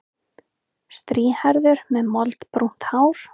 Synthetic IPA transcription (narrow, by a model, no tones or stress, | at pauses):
st̪ɾiːhaɾðʏɾmɛðmɔlt̪pɾun̥t̪haːwɾ̥